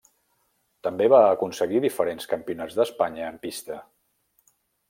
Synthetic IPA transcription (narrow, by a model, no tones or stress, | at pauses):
t̪əmbeβaəkunsəɣiðifəɾenskəmpiunad͡zðəspaɲəːmpist̪ə